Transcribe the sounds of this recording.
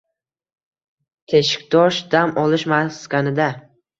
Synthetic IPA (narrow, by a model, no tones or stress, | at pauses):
t̪ʰe̞ʃɪ̥kʲd̪ɒʃd̪amʔɒlɪʃmaskʲanɪd̪a